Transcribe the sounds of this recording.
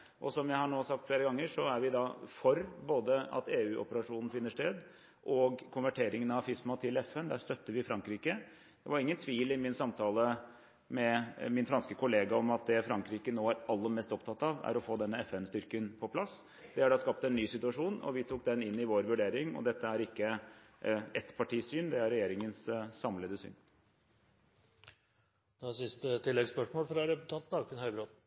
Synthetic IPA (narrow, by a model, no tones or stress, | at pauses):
ʔɔsɔmjæɪhɑɳoːsɑk̚t̪fleːɾəɡɑŋːəʂɔæɾʋɪd̪ɑfɔɾboːd̪əɑ̰t̪eːʉːʔɔ̰pəɾɑʂuːnn̩fɪnːəʂʈ̪eːd̪ | ʔɔɡkʰʊnʋæʈʰeːɾɪŋənɑʋfɪsmɑt̪ʰɪlɛfɛnd̪æːʂt̪œt̪ːəʋɪfɾɑŋkɾiːkə | d̪̥ɛʋɑɾɪŋːənt̪ʰʋiːlɪmɪnsɑmt̪ʰɑːlə | mɛmɪnfɾɑnskəkʊleːɡɑɔmɑt̪̚d̪ɛfɾɑŋkɾiːkənoːæɾɑlːəmɛst̪ɔpt̪ʰɑt̪ːɑʋæ̰ɾɔfoːd̪ɛnːəɛfɛnst̪ʏɾkənpʰɔpʰlɑs | d̪̥ɛhæɖɑːskɑp̚t̪ɛnːyːsɪt̪ʉɑʂuːnɔ̰ʋɪt̪ʰuːk̚d̪ɛnɪnːɪʋoːɾʋʉɖeːɾɪŋɔ̰d̪ɛt̪ːəæɾɪkːə | ɛt̪pʰɑʈiːsyːnd̪ɛæɾːɛjeːɾɪŋənssɑmləd̪əsy̰ːn | d̪sɪst̪ət̪ʰɪlːɛɡspœʂmoːlfɾɑɾɛpʉt̪ʰɑnt̪n̩ɑkɪnhœʏbɾoːd̪